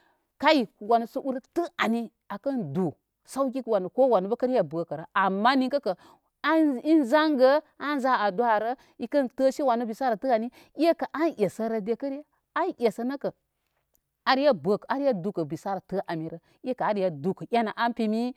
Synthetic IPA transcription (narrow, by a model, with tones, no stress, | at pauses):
ka˦i˨wa˨nə˨sə˦u˦ɾtə˦a˨ni˦ | a˨kɐ˦ndu˨ | sa˦wkʲi˦kwa˨nə˨ko˦wa˨nə˦bə˦kə˦ɾja˦˨bə˨kə˨ɾə˨a˨mːa˦ni˦kə˦kə˨˦ | i˦nza˦ŋɡə˦a˦nza˦a˨du˦a˨ɾə˦ | i˨kə˦ntə˦ʃi˦wa˨nə˦bi˨sa˦ɾa˨tɨ˦a˨ni˦ | i˦e˦kə˨ʔa˦njʲe˨sə˦ɾə˦de˦kə˦ɾa˦ | a˦njʲe˨sə˦nə˦kə˨ | a˨ɾja˦bə˨ka˦ɾa˦du˨kə˨bi˨sa˦ɾa˨tə˦ʔa˨mi˨ɾə˦ | i˦e˦ka˨a˦ɾja˦du˨kə˨jʲa˦na˨ʔa˦npi˦mi˦